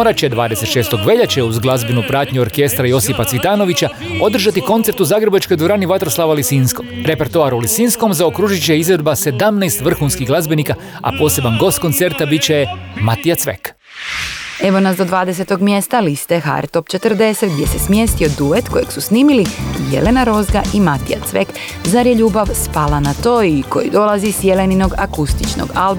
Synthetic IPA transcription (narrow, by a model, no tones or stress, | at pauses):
oɾat͡ɕed̪ʋaːd̪e̞se̞t̪ʃe̞ːst̪o̞ɡʋe̞ʎat͡ɕeuzɡlˠazbenupɾaːt̪ɲuo̞ɾke̞st̪ɾajo̞sipat̪sʋit̪aːno̞ʋit͡ɕa | o̞d̪r̩ʒat̪iko̞nt̪se̞ɾt̪uzaɡɾebat͡ʃko̞jd̪ʋoɾaːniʋat̪ɾoslˠaʋalisinskoɾe̞pe̞ɾt̪oaːɾulisinsko̞mzaokɾuʒit͡ɕeizɾe̞d̪base̞d̪amnɛːst̪ʋr̩xuːnskiɣɡlazbenika | a̰po̞ːse̞banɡo̞st̪̚ko̞nt̪se̞ɾt̪abit͡ɕejemat̪ijat̪sʋḛk | e̞ʋo̞nazd̪o̞d̪ʋaːd̪es̬e̞t̪o̞ɡmjest̪alist̪exa̰ɾt̪o̞pt͡ʃe̞t̪ər̩d̪e̞set̪̚ɡ̚d̪ʲje̞se̞smje̞st̪io̞d̪uʋe̞t̪koje̞̰ɡsusniːmilijje̞̰le̞naɾo̞zɡaʔimat̪ija̰t̪sʋek | zaɾjeʎuːbaʋspalanat̪o̞ːiko̞̰jḭd̪o̞lˠazisje̞le̞nino̞ɡakust̪it͡ʃno̰ɡalˠb